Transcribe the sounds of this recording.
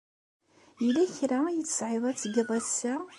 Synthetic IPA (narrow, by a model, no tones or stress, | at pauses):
jilæçɾæjət͡sːə̥sʕɪðˤæt͡sːɡɪðˤæsæ